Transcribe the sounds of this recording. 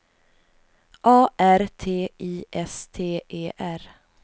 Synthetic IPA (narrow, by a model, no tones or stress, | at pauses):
ʔɑːʔæɾt̪ʰeːʔiːʔɛst̪ʰeːʔeːʔæɾ